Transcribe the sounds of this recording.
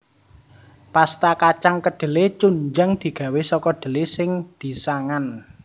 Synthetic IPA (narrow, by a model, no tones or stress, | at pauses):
past̪akat͡ʃaŋkəɖ̥ə̤let͡ʃuɲd͡ʒaŋd̪̥i̤ɡ̥a̤wesɔkɔɖ̪̥ə̤lesɪŋd̪̥i̤saŋan